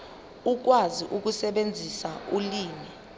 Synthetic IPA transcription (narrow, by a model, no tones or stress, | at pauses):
uk̬waziʔuk̬usɛɓend͡zʱisauliːni